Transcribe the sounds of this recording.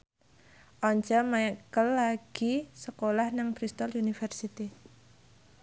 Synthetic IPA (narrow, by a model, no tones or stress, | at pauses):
ʔɔɲt͡ʃɔmaɛkəlːaɡ̥isəkolahnaŋb̥ɾist̪ɔlunifɛrsit̪i